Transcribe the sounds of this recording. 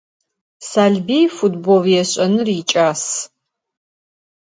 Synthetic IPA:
saːɮbiːjfutboljɛɕʼɐnɨriːt͡ʃʼaːs

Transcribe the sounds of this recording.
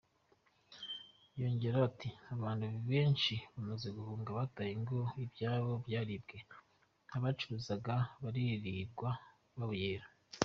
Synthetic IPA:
jo̞ɲɟe̞ɾatiaβaːndhuβiβe̞ːnʃiβamaze̞ɡuhuːŋɡaβatajiŋɡo̞ibjaːβo̞bjaːɾibɡe̞ | aβat͡ʃuɾuzaɡaβaɾiɾiɾɡwa | βaβujeːɾa

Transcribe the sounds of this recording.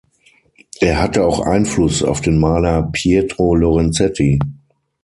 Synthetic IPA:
ʔeːɐhatəaʊxʔa̰ɪnflʊsa̰ʊfd̥eːnmaːlɐpʰjedʁolɔʁɛnt͡sɛtʰi

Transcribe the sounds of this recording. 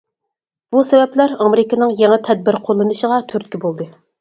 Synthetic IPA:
b̥usɛvɛplæɾɑmeɾɪkinɨŋjɛŋɛt̪ʰɛd̪̚bɪɾqʰolˠːɨnɨʃəʁɑt̪ʰyɾt̪̚kʲibolˠd̪ɨ

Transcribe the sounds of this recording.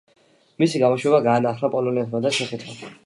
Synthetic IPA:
misiɡamɔʃwɛbaɡaːnaχɾapʼɔlɔnɛnt̪ʰmad̪aʃɛχɛt̪ʰma

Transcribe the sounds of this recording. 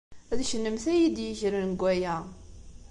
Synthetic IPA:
æðʃənːəmθæjid̪jəçɾənɡʷːæjæ

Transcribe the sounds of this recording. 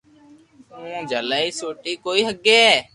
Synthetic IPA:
ũːd͡ʒʱəlaːiːsoːʈiːkoːiːɦəɡeː

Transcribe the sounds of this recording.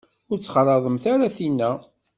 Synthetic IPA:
ʊɾt͡sːχɾˤɑðˤəmθaɾaθinːæ

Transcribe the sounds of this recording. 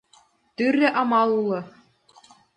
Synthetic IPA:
t̪ʲyrʲːɘ̆ʔɑmɑlˠulˠɤ̆

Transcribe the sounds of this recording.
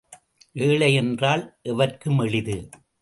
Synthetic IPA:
ʔeːɭɐjɛndraːlʔɛʋɐrkɯmɛɭɪðɯ

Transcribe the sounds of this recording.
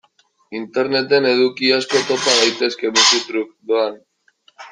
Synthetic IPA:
int̪e̞ɾne̞t̪e̞ne̞ðukiasko̞t̪o̞paðajt̪e̞ske̞βusut̪ɾuk̚d̪oan

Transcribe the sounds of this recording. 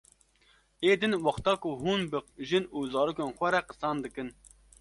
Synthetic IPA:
ʔeːd̪ɨnwɑχt̪ɑːkuɦuːnbɨʒɨnuːzɑːɾuːkeːnxʷɛɾɛqɨsɑːnd̪ɨkɨn

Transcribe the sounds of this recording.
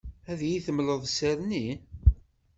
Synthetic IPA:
æðjiθəmləðˤsæɾni

